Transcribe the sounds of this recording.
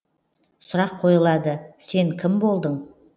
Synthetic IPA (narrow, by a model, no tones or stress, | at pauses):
sʊɾɑqʰo̞jəlˠɑd̪əse̞ŋkʲʰɪmbo̞lˠd̪əɴ